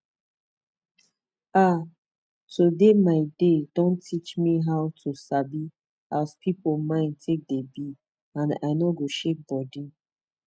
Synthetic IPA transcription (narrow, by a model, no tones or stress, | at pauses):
a | tʰudemaɪdedõntʰit͡ʃmiɦawtʰusabi | azpʰipomãɪ̃ntʰek̚debi | ãna̰ɪnɔɡoʃek̚bɔdi